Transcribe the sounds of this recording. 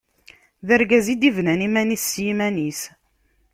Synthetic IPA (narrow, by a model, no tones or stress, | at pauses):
ðəɾɡæzid̪ivnænimænisːjimænis